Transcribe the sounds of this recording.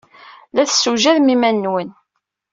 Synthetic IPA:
læθsːuʒæðmimænːwən

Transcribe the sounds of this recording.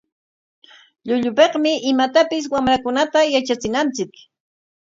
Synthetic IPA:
ʎʊʎʊpeqmɪʔɪmat̪apɪs̬wamɾakʊnat̪ajat͡ʃat͡sɪnant͡sɪk

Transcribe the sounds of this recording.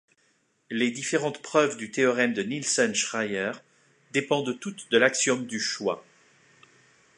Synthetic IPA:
led̪ifeʁɑ̃t̪pχœvd̪yt̪eɔʁɛmd̪ənilsɔnʃʁajɛʁ | d̪epɑ̃d̪ət̪ut̪d̪əlaksjɔmd̪yʃwa̰

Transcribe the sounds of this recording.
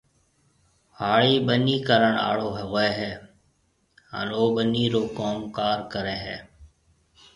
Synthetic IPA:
haːɭiːɓəniːkəɾəɳa̰ːɭoːɦɛɣeːɦɛː | ə̰noːɓəniːɾoːkoːmkaːɾkəɾeːɦɛ̰ː

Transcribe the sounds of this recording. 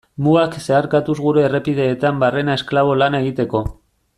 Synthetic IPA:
muakse̞aɾkat̪uzɣuɾe̞ːre̞pið̞e̞ːt̪ambare̞nae̞sklaβ̞o̞lanae̞ɣit̪e̞ko̞

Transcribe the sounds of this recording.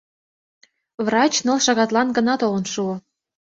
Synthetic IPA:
vrɑt͡ɕnɤlˠʃɑɣɑt̪lɑnɡə̆nɑt̪olə̆nʃuɤ̆

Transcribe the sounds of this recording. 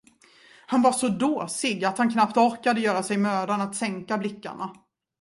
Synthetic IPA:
hanvaʂɔd̪oːsɪɡat̪hankʰnapt̪ɔɾkad̪əjœːɾasɛjmøːd̪anat̪sɛŋkablɪkːa̰ɳa

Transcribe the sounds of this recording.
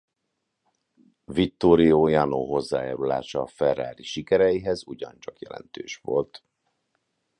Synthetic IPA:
vit̪ːoːɾijoːjɒnoːɦo̞zːaːja̰ːɾula̰ːʃɒːfɛraːɾiʃikɛɾɛjiɦɛzuɟɒnt͡ʃɒkjɛ̰lɛ̰nt̪øːʃʋo̞lt̪

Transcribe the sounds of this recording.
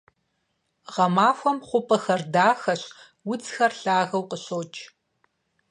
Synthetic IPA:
ʁɐmaːxʷɔmχʷʊpʰɐxɐrdaːxɐɕ | wʊd͡zxɐrɬaːɣɐwqəɕoːt͡ʃʼʰ

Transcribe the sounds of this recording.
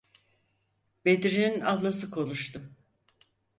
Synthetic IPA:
bed̪iɾininablˠasɯkʰo̞nˠuʃt̪ɯm

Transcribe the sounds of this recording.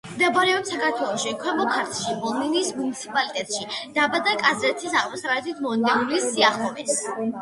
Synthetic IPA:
md̪abɾɛɔmsakaɾt̪ʰwɛlˠɔʃikʰwɛmɔkʰaɾt̪ʰʃibɔlˠniniːsmunit̪sʰipʼalit̪ʼɛt̪ʼʃid̪̥abad̪akʼazɾɛt̪ʰisaʁmɔsɾaɛt̪ʰit̪ʰmɔnd̪ɛɾulisiaχlˠɔmɛs

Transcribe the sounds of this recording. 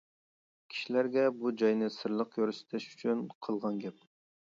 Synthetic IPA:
kʲʰi̥ʃilæɾɡʲɛbud͡ʒɑjnɨsɨɾlˠəqjøɾsɪ̥t̪ʰɛʃy̥t͡ʃʰynqʰəlˠʁɑnɡʲɛp̚

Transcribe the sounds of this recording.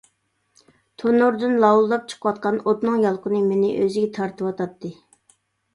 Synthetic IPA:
t̪ʰonuɾd̪ɨnlˠɑwlˠːɑp̚t͡ʃʰə̥qʰəwɑt̪̚qɑnot̪nɨŋjɑlˠqənɨmenɪʔøzɪɡʲɛt̪ʰɑɾt̪ʰɨwɑt̪ʰɑt̪ʰːɨ

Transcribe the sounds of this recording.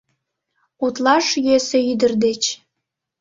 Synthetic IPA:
ut̪lɑʃjøseyd̪ərd̪et͡ɕ

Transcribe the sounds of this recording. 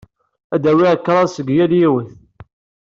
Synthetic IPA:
æd̪æwiʕəkːɾˤɑsəɡjæljiwəθ

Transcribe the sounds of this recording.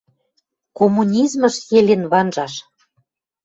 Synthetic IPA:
komːunʲizmə̆ʃjelʲenβɑnʒɑʃ

